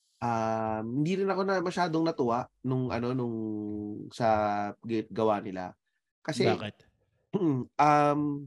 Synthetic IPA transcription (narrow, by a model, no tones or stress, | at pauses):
ʔɐmhɪnd̪iɾɪnɐko̞nɐmɐʃaːd̪oŋnɐt̪ʊʔaʔnʊŋʔɐ̰no̞nʊŋ | sɐɡɪt̪̚ɡɐwaːnɪla̰ | kɐsɛa̰kɪt̪̩ | ʔɐm